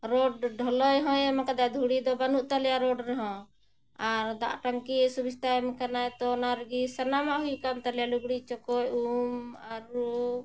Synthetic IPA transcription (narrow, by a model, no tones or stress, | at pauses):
ɾɔɖɖʱɔlɔjɦɔ̃jɛmakad̪ad̪ʱuɽid̪ɔbanuʔt̪alɛjaɾɔɖɾɛɦɔ̃ | aɾd̪a̰ʔʈaŋkiesubist̪aɛmkanajt̪ɔnaɾɡisənamaʔɦujkamt̪alɛjaluɡɽit͡ʃɔkɔjumaɾːu